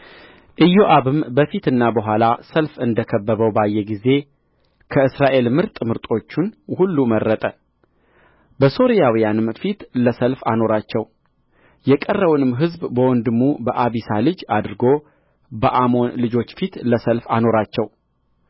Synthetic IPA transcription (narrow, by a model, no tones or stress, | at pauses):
ʔɨjːo̞ʔaβɨmbəfit̪ɨnːabəɦʷalasəlfɨnd̪əkʰəbːəβəwbajːɛɡize̞ | kʰəɨsɾaʔe̞lmɨɾt̪ʼmɨɾt̪ʼo̞t͡ʃːunhulːumərːət̪ʼə | bəso̞ɾijawijanɨmfit̪ləsəlfa̰no̞ɾat͡ʃːɛw | jɛkʼərːəwunɨmːɦɨzbbəwɔnd̪ɨmːubəʔaβisalɨd͡ʒad̪ɾɨɡo̞ | bəʔamo̞nlɨd͡ʒo̞t͡ʃːfit̪ləsəlfano̞ɾat͡ʃːɛw